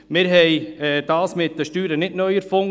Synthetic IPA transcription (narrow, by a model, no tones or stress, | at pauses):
mɪɾɦɛjɛːdɑːsmɪt̚d̥əʃtyːɾənɪtnœjəɾfoŋ